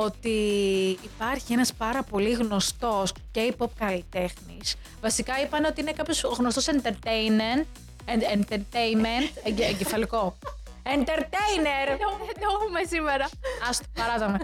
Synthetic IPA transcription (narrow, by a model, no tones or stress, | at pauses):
o̞t̪iː | pɐɾçienɐspɐɾɐpo̞liɣno̞st̪o̞sce̞ipop̚kɐlit̪e̞xnis | vɐsikɐipɐneot̪iine̞kɐpço̞sɣnost̪o̞sent̪eɾt̪ejment̪ | eent̪eɾt̪enment̪eɟefɐliko̞ | ent̪e̞ɾt̪ejneɾd̪oumesimeɾɐɐst̪o̥pɐɾɐt̪ome